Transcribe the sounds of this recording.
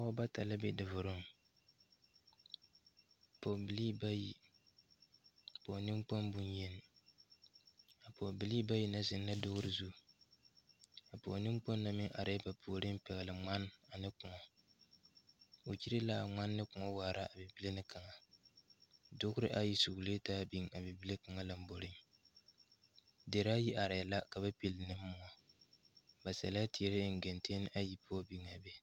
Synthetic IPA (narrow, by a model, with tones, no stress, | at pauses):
a˦o˦ba˦ta˨la˦be˦dɨ˨vʊ˨ɾɨ˦m˨ | po˨bi˨li˦ba˦ji˨ | po˨nɨ˦mk͡po˦mbu˦njɛ˦n˨ | a˨po˨bi˨li˦ba˦ji˦na˦zɪ˨nː˦a˦dʊ˦ɣʊ˦ɾɨ˨zu˦˨ | a˨po̰˨nɨ˦m˦k͡po˦nːa˨mɪ˦ʔa˨ɾe˦ba˨pʰuː˨ɾɨ˦m̩˦pɛ˨ɣlɨ˨ŋ͡ma˦n˦a˨nɨ˦kʊ˨ŋɔ˨ | o˨t͡ʃi˦ɾɪ˦la˨ŋ͡ma˦nːɨ˦kʊ˨ŋɔ˦waː˨ɾa˦a˨bɪ˨bi˦le˦nɨ˦ka˨ŋa˨ | dʊ˦ɣʊ˦ɾɪ˦ʔa˦ji˦su˨ɡleː˦taː˦bi˦ŋa˨bi˨bi˦le˦ka˨ŋa˦la˨m̩˦bo˨ɾɪ˦ŋ | de˨ɾa˦ji˦ʔa˨ɾɪ˨la˦ka˨ba˦pi˨lnɨ˦m̩ː˦ʊ˨a˨ | ba˨sa˨la˦tɪ˨ɛ˨ɾɪ˦˨ŋ̩˨ɡɛ˨nte˦n˦ʔa˦ji˦pʊ˦ɔ˦bi˦ŋa˨bɛ˦